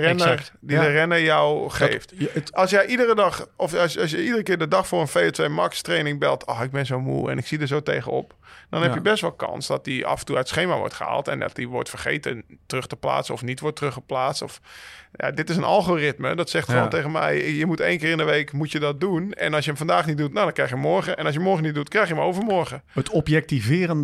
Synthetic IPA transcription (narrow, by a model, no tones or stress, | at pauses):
nədidərɛnəjɔwxeftɔlˠsjəjʔidərədɑxɔfsjsjəidərəkɪːrdədɔxfʊːrənfejotʋejmakstreːnɪŋbɛlˠtʰɔxɪɡ̚bɪnzowmṵːɛ̰nɪksidəsoːteːɣəɔ̰p̚dɔnhɛpjəbɛstʋɔlˠkʰɑ̰nsdɔt̚dia̰fəntuatsxeːmaʋɔ̰rtxəa̰ːlˠtɛ̰ndɔ̰t̚diʋɔ̰rtfərχḛːtətərøxtəpla̰ːsəɔfnitʋɔrtrøxəplaːstɔfja̰dɪtɪsənʔa̰lˠχoːrɪtmə̰dɔtsɛxtχəʋo̰nteːɣənmɛ̰jjəmutejnkɪːrɪndəʋejkmutjədɔt̚dunɛ̰nɑlˠsjəəmfandaːxnit̚dutnawdɔnkrɛjxjəmɔɹɣəɛnɑs̬jəmɔɹχənit̚dutkrɛjxjəmowvəmɔɹɣəətɔpjɛk̚tivɪːrən